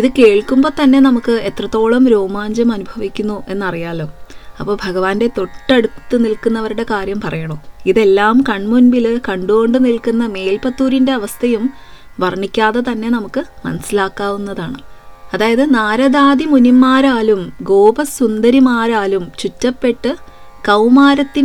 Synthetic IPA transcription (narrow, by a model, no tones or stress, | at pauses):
iðɨke̞ːɭkːumbo̞ːt̪ɐnːe̞nɐmukːɨe̞t̪rɐt̪ːo̞ːɭɐmɾoːmaːɲd͡ʑɐmɐnubʱɐʋikʲːunːuʔe̞nːɐrijaːlo̞ːɐpːoːbʱɐɡɐʋaːnde̞t̪o̞ʈːɐɽut̪ːɨnilkːunːɐʋɐɾuɽe̞kaːɾjɐmpɐrʔɐjɐɳoːiðe̞lːaːmkɐɳmunbilɨkɐɳɖuɣoɳɖɨnilkunːɐme̞ːlpɐt̪ːuːɾinde̞ɐʋɐst̪ʰɐjum | ʋɐrɳikʲːaːðet̪ɐnːe̞nɐmukːɨmɐnɐsilaːkːaːʋunːɐðaːɳɨɐðaːjɐðɨnaːɾɐðaːd̪imunimːaːɾaːlumɡo̞ːbɐsund̪ɐɾimaːɾaːlumt͡ɕutːɐpːe̞ʈːɨ | kɐwmaːɾɐt̪ːin